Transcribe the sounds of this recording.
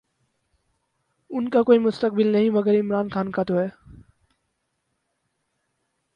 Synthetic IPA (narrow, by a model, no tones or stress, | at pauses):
ʊnkakoːimʊst̪ək̚bɪlnɐɦĩmɐɡəɾɪmɾaːnkʰaːnkat̪oɦɛː